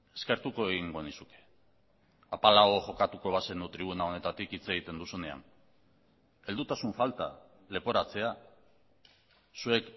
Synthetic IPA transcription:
e̞skeɾt̪uko̞eɣiŋɡo̞nisuke̥ | apalaoʝo̞kat̪uko̞β̞ase̞nd̪ut̪ɾiβunao̞ne̞t̪at̪ikit͡se̞ɣit̪e̞nd̪usune̞a̰n | e̞ld̪ut̪asuɱfalt̪a̰ | le̞po̞ɾat͡se̞a | sue̞k

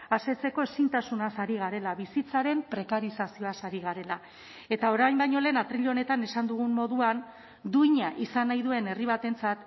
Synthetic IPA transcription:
ase̞t͡se̞ko̞e̞sint̪asunasaɾiɣ̞aɾe̞laβisit͡saɾe̞mpɾe̞kaɾisasio̞asaɾiɣ̞aɾe̞la | e̞t̪ao̞ɾajmbajɲo̞le̞ːnat̪ɾiʎo̞ne̞t̪ane̞sand̪uɣ̞ummo̞ðuan | d̪uiɲaʔisanːajðue̞ne̞riβ̞at̪e̞nt͡sat̪

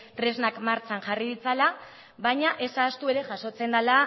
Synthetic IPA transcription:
t̪ɾe̞znakmaɾt͡sanʝariðit͡sala | βajɲaʔe̞saːst̪ue̞ɾe̞ʝaso̞t͡se̞nd̪ala

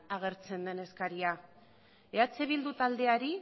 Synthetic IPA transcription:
aɣ̞e̞ɾt͡se̞nd̪e̞ne̞skaɾia | eat͡seβild̪ut̪ald̪e̞aɾi

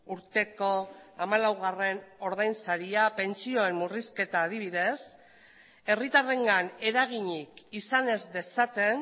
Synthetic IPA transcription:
uɾt̪e̞ko̞amalawɣare̞no̞ɾðajnsaɾiape̞nt͡sio̞e̞mːuriske̞t̪aːð̞iβ̞iðe̞s | e̞rit̪are̞ŋɡane̞ɾaɣ̞iɲikisane̞zd̪e̞sat̪e̞n

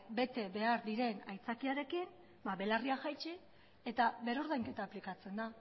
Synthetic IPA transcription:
be̞t̪e̞βe̞aɾðiɾe̞najt͡sakiaɾe̞kin | baβe̞lariaʝajt͡ʃi | e̞t̪aβe̞ɾo̞ɾð̞ajŋke̞t̪aːplikat͡se̞nd̪a

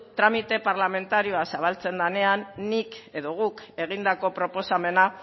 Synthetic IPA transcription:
t̪ɾamit̪e̞paɾlame̞nt̪aɾio̞asaβ̞alt͡se̞nd̪ane̞anːike̞ðo̞ɣ̞uke̞ɣ̞ind̪ako̞pɾo̞po̞same̞na

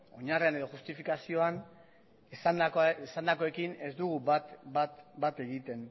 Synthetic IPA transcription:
o̞ɲarieane̞ð̞o̞xust̪ifikasio̞an | esand̪akesand̪ako̞e̞kine̞zd̪uɣ̞ubat̪bat̪bat̪e̞ɣit̪e̞n

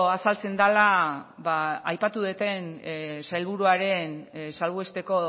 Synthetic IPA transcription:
asalt͡se̞nd̪alaβaːjpat̪uðet̪e̞nsajlβ̞uɾuaɾe̞nsalβue̞st̪e̞ko̞

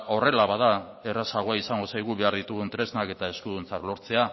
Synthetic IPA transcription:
o̞re̞laβaða | e̞rasaɣ̞oaisaŋɡo̞sajɣ̞uβe̞aɾðit̪uɣunt̪ɾe̞znake̞t̪aeskuðunt͡saklo̞ɾt͡se̞a

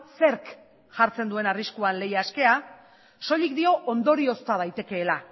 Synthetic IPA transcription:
se̞ɾk | ʝaɾt͡se̞nd̪ue̞nariskuanle̞jaːske̞a | so̞ʎikd̪io̞ʔond̪o̞ɾio̞st̪að̞ajt̪e̞ke̞ːla

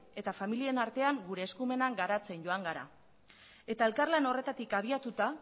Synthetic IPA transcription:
e̞t̪afamilie̞naɾt̪e̞aŋɡuɾe̞ːskume̞naŋɡaɾat͡se̞nɟo̞aŋɡaɾa̰ | e̞t̪ae̞lkarlano̞re̞t̪at̪ikaβiat̪ut̪a

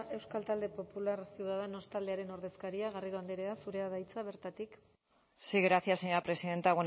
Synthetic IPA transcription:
e̞wskalt̪ald̪e̞po̞pulaɾsiwðaðeno̞st̪ald̪eaɾe̞no̞ɾðe̞skaɾiaɣariðoand̪eɾeasuɾe̞aðajt͡saβ̞e̞ɾt̪at̪ik | siɣɾasiaseɲapɾe̞siðe̞nt̪eaɣon

